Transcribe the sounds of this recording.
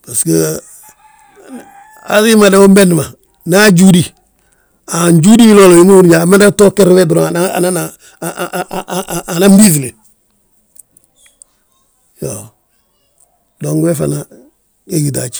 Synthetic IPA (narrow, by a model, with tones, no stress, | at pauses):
pa˨ske | a̰˨zi˦ma˨de˦wo˦mbe˦n˨ma˨ | na˦d͡ʒu˦di˦ | a˨ɲd͡ʒu˦di˦lo˦lo˨i˦mu˦u˦ɾd͡ʒa˨ma˦da˦to˦ke˦ɾwe˦dɾo˦ŋa˨na˦a˨na˦na˨ | a˨na˦mbi˦zi˨le˨ | jo | do˨ŋɡwe˦fa˨na˨ | e˦ɡi˨da̰˨t͡ʃ